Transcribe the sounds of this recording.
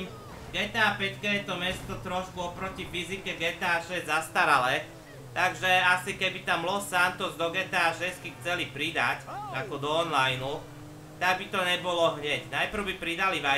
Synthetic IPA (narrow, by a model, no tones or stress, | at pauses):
ɡɛt̪aːpɛckɛɛt̪ɔmɛst̪ɔt̪ɾɔʃkuɔpɾɔcifizikɛɡɛt̪aʃɛɛzast̪aɾalɛː | t̪aɡʒɛasikɛbit̪aːmlɔsːant̪ɔzd̪ɔɡɛt̪aːʃɛskixt͡sɛlipɾid̪acakɔd̪ɔːnlajnu | t̪aɡ̚bit̪ɔɲɛbɔlɔɦɲɛcnajpɾ̩ʊbipɾid̪aliʋa